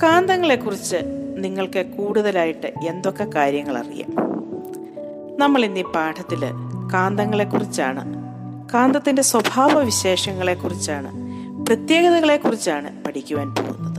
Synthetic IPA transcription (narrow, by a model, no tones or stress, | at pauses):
kaːnd̪ɐŋːɐɭe̞kːurit͡ɕːɨniŋːɐɭkɨkuːɽuðɐlaːjiʈːɨe̞nd̪o̞kːe̞kaːɾjɐŋːɐɭɐ̰rḭja̰m | nɐmːɐɭinːipaːʈʰɐt̪ːilkaːnd̪ɐŋːɐɭe̞kːurit͡ɕːa̰ːɳɨ̰ | kaːnd̪ɐt̪ːinde̞swɐbʱaːʋɐʋiɕe̞ːʂɐŋːɐɭe̞kːurit͡ɕːaːɳɨ̰ | prɐt̪je̞ːɣɐðɐɣɐɭe̞kːurit͡ɕːaːɳɨ̰pɐʈʰikʲːuʋaːnpo̰ːɣṵnːɐðɨ